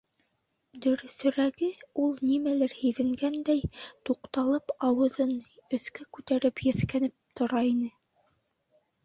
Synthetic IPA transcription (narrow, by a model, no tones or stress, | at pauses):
d̪ɵ̆ɾɵ̆sɵ̆ɾæɡɘulˠnimælɘɾhĭðɘ̆ŋɡænd̪æjt̪uqt̪ɑlˠɤpɑwɤ̆ðɤnɵ̆θkækʉt̪æɾɘpjɘ̆θkænɘp̚t̪ŏɾɑinɘ